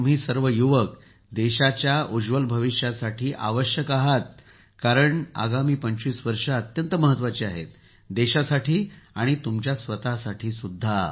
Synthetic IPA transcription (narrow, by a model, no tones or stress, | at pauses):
t̪umɦiːsəɾʋəjuʋək | d̪eɕat͡ɕjaud͡ʑʋəlbʱəʋiɕjasaʈʰiːʔa̰ʋəɕjəkaɦat̪̚ | kaɾəɳa̰ɡamiːpəɲt͡ɕiːsʋəɾʂaət̪jənt̪əməɦət̪ʋat͡ɕiːaɦḛt̪̚ | d̪eɕasaʈʰiːaɽ̃it̪umt͡ɕjasʋət̪asaʈʰiːsud̪ʱːa